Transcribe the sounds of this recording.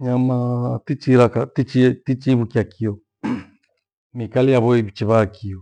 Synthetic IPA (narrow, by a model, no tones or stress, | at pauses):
ɲamatit͡ʃiɾakatit͡ʃitit͡ʃiβukiakʰiɔ | mikalijaβɔiβit͡ʃɛβakiɔ